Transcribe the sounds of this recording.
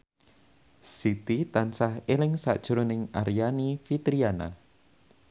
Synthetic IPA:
sit̪it̪ansahelɪŋsa̰ʔd̥ʒ̥ɾonɪŋaɾijanifit̪ɾiana̰

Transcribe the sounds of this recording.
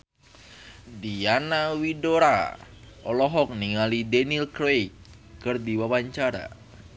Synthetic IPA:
dianawidoɾa̰ʔɔlɔɦɔk̚niŋalidɛnilkɾej | kɨrdiwawaɲt͡ʃaɾa̰

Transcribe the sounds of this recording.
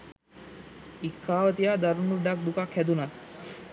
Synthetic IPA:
ikʰːaːʋət̪ijaːd̪aɾunuɖak̚d̪ukakhæd̪unat̪

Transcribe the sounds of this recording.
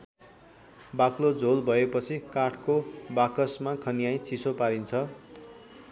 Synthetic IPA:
baklod͡zʱolbʱʌepʌt͡sʰikaʈʰkobakʌsmakʰʌnijaj̃t͡sʰisopaɾint͡sʰʌ

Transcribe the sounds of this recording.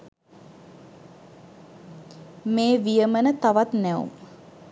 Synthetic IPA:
meːʋijəmənət̪aʋat̪nɛṵ

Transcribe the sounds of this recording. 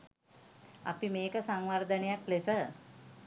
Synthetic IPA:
a̰pimeːkəsaŋʋaɾd̪ənejaklesə

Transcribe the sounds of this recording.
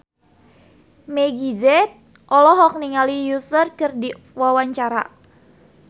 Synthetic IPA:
mɛɡizɛt̪̚ | ʔɔlɔɦɔk̚niŋalijusərkɨrdi | wawaɲt͡ʃaɾa̰

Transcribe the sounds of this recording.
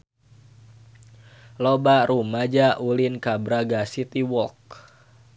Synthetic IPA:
lobaɾumad͡ʒaʔulinkabɾaɡasit̪iwɔlk̚

